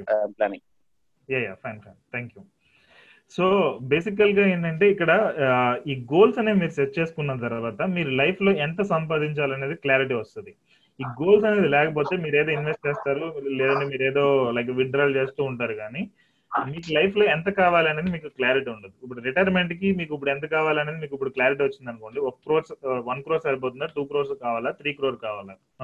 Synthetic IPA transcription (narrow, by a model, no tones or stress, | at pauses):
pla̰ːniŋ | jaːja̰ːpʰɐjnpʰɐ̰jnt̪ʰaːŋkju | so̞ːbe̞ːsik̬ːɐlɡaːeːɳʈɐɳʈe̞ːikːɐɽɐ | iːɡo̞ːlsɐne̞ːmiːɾusetːt͡ʃe̞ːsu̥kunːɐt̪̬ɐɾʋaːt̪ɐmiːɾulɐjpʰlo̞ːɛnt̪ɐsɐmp̬aːd̪iɲt͡ʃaːlɐne̞ːd̪iklaːɾiʈ̬iːʋɐst̪und̪i | iːɡo̞ːlsɐne̞ːd̪ilɛːkɐp̬o̞ːt̪e̞ːmiːɾeːd̪o̞ːinʋe̞sʈ̚t͡ʃeːst̪aːɾulɛːd̪ɐɳɖimiːɾeːd̪o̞ːlɐjɡɐʋiɳʈɾalt͡ʃe̞ːst̪uːuɳʈaːɾukaːni | miːkulɐjpʰlo̞ːɛnt̪̬ɐkaːʋaːliɐneːd̪imiːkuklaːɾiʈiːuɳɖund̪iːp̬ːuɽuɾiʈɐɾme̞ɳʈk̬imiːkuip̬uɽɛnt̪̬ɐkaːʋaːliɐneːd̪imiːkip̬ːuɽukljaːɾiʈ̬iːʋɐt͡ʃːind̪ɐnuko̞ːɳɖiokkɾoːɾsʋɐnkɾoːɾsɐɾip̬oːt̪und̪aʈuːkɾoɾskaːʋaːlaːt̪ʰɾiːkɾoːɾkaːʋaːla